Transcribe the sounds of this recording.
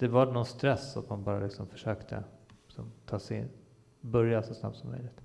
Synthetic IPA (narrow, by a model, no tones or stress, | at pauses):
d̪̥ɛvaɳɔnst̪ɾɛsːa̰t̪manbɑːɾalɪksɔmfœ̥ʂøːkt̪ʰə̰llɪksɔmt̪ʰɑːsɛɪ̰n | bɵɾjasɔsna̰p̚t̪sɔmːœ̰jlɪɡ̚t̪